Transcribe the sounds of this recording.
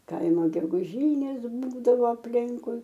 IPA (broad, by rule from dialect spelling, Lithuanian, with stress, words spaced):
ˈkɐɪmoː ɡʲɛɡʊˈʒʲiːnʲeːs ˈbuːdɐʋoː ɐpʲˈlʲɪŋkʊɪ